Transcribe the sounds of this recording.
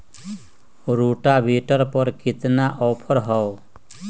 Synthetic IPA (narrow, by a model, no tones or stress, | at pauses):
ɾuːʈaːbiːʈəɾpɔɾkɪt̪naʔɔːpʰɔɾɦɔo